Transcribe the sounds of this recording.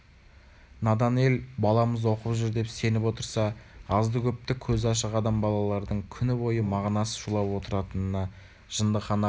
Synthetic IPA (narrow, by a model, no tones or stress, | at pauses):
nɑd̪ɑne̞lbɑlˠɑməzwo̞qəpʒʏɾd̪e̞pse̞nɪpwo̞t̪əɾsɑɑzd̪əkʲʰɵp̚t̪ɪkʲʰɵzɑʃ̬əʁɑd̪ɑmbɑlˠɑlˠɑɾd̪əɴkʲʰʏnɪbo̞jəmɑʁnɑsə̥ʃulˠɑpwo̞t̪əɾɑt̪ənənɑ | ʒ̥ənd̪əqχɑnɑ